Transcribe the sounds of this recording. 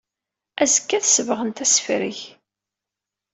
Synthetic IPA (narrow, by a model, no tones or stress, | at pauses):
æzəkːæθsəvəʁənt̪æsfɾiç